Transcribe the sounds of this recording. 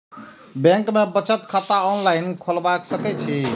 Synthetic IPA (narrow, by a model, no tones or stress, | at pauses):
bẽŋkmebət͡ʃət̪kʰat̪aɔnlajnkʰolbaksəkɛt͡ʃʰi